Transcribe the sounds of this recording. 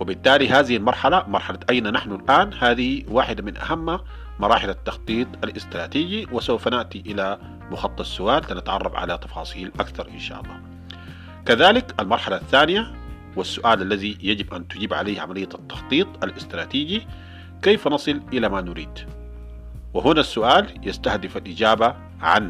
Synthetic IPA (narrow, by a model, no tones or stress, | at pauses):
wɪbɪt̪ːaːliɦaːðɪhilmɑɾˤħalamɑɾˤħalaʔajnanaħnulʔaːnhaːðihiwaːħɪd̪amɪnʔa̰hamːa | mɑɾˤɑːħɪlat̪ːɑxt̪ˤiːt̪ˤalʔɪst̪ɾˤɑːt̪iːɡiwɪsawfanaʔt̪iʔɪla | mʊxɑt̪ˤːɨt̪sʊʔaːllanat̪ʕɑ̰rˤːɑfʕa̰lat̪ɑfɑ̰ːsˤiːlʔakθɑɾˤʔɪ̰nʃa̰ːʔɑ̰lˤːɑ̰ː | kaðaːlɪkalmɑɾˤħalaθːaːnija | wasːʊʔaːlalːaðijad͡ʒibʔant̪uɟiːbʕa̰leːhʕa̰malɪjːat̪ːɑ̥xt̪ˤiːt̪ˤalʔɪst̪ɾˤɑːt̪iːɟi | keːfanɑsˤɨlʔɪlamanʊɾiːd̪̥ | wɪɦunasːʊʔaːljast̪ahd̪ɪfalʔɪd͡ʒaːba | ʕa̰nː